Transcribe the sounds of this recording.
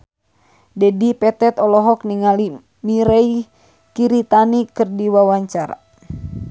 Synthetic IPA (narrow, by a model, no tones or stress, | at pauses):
dɛdipɛt̪ɛt̪ɔlɔɦɔkniŋali | miɾɛi | kiɾit̪anikɨrdiwawaɲt͡ʃaɾa̰